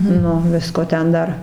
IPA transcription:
ˈnʊ ˈʋʲɪskoː ˈtʲɛn ˈdɐr

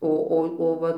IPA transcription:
ˈoː ˈoː oː ˈʋɐ

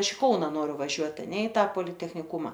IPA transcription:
ˈɐʃ ɪ ˈkɐʊnɐ ˈnoːrʲʊ ʋɐˈʒʲuɔt ɐˈnʲɛ ɪ ˈtɐ poːlʲɪtʲɛxʲnʲɪˈkʊmɐ

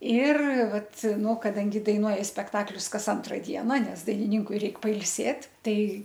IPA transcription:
ɪr ˈʋɐt ˈnʊ kɐˈdɐŋʲɡʲɪ dɐɪˈnuɔjɪ sʲpʲɛkˈtɑːklʲʊs ˈkɐs ˈɐntrɐ ˈdʲiɛnɐ ˈnʲɛs dɐɪnʲɪˈnʲɪŋkʊɪ ˈrʲɛɪk pɐɪlʲˈsʲeːtʲ ˈtɐɪ

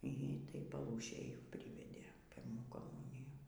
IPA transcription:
iː ˈtɐj pɐˈlˠuːʃʲeːj ˈpʲrʲiːʋʲɛdʲeː ˈpʲɪrmuː koːˈmʊnʲɪjuː

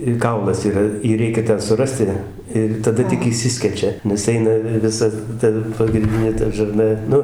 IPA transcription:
ɪ ˈkɐʊlˠɐs iːˈrɐ ˈjiː ˈrʲɛɪkʲɛ ˈtʲɛn sʊˈrɑːsʲtʲɪ ɪr tɐˈdɐ tʲɪk ɪʃʲˈsʲɪsʲkʲɛt͡ʃʲɛ nʲɛs ˈɛɪnɐ ʋʲɪ ʋʲɪˈsɐ ˈtɐ pɐɡrʲɪnʲˈdʲɪnʲeː ˈtɐ ʒɐrˈnɐ ˈnʊ

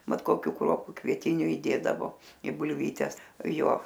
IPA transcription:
ˈmɐt koːˈkʲuː ˈkruɔpʊ kʋʲiɛˈtʲɪnʲʊ iːˈdʲeːdɐʋoː ɪ bʊlʲˈʋʲiːtʲɛs ˈjoː

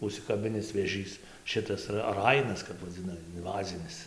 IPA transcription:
ʊʃʲsʲɪkɐˈbʲɪnʲɪs ʋʲeːˈʒʲiːs ˈʃʲɪtɐs rɐ ˈrɐɪnɐs kɐp ʋɐˈd͡zʲɪnɐ ɪnˈʋɑːzʲɪnʲɪs

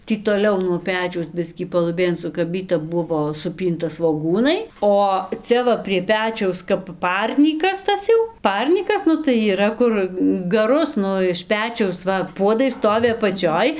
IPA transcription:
ˈtʲiː toːˈlʲɛʊ nuɔ ˈpʲæːt͡ʃʲɛʊs ˈbʲɪsʲkʲiː pɐlˠʊˈbʲeːn sʊkɐˈbʲiːtʲɪ ˈbʊʋoː sʊˈpʲiːntɐ sʋoːˈɡuːnɐɪ oː ˈt͡sʲɛ ʋɐ pʲrʲiɛ ˈpʲæːt͡ʃʲɛʊs kɐp ˈpɐrʲnʲiːkɐs ˈtɐs jɛʊ ˈpɐrʲnʲiːkɐs ˈnʊ tɐɪ iːˈrɐ ˈkʊr ɡɐˈrʊs ˈnʊ ɪʃ ˈpʲæːt͡ʃʲɛʊs ˈʋɐ ˈpuɔdɐɪ ˈstoːʋʲɪ ɐpɐˈt͡ʃʲoːj

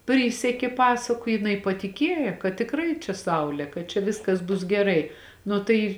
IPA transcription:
ˈpʲrʲiːsʲɛkʲeː ˈpɑːsɐkʊ jɪˈnɐɪ pɐtʲɪˈkʲeːjɛ kɐt tʲɪkˈrɐɪ t͡ʃʲɛ ˈsɐʊlʲeː kɐt t͡ʃʲɛ ˈʋʲɪskɐs bʊs ɡʲɛˈrɐɪ ˈnʊ tɐɪ

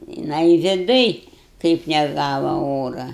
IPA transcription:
jɪˈnɐɪ ʋʲɪˈdʊj kɐɪp nʲɛˈɡɑːʋɐ ˈoːrɐ

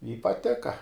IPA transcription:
ɪ pɐˈtʲɪkɐ

